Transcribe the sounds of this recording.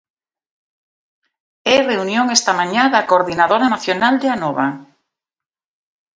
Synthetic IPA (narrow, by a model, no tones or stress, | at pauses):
ɛreunjoŋest̪amaɲãðakoɾðinaðoɾanaθjonald̪eanɔβa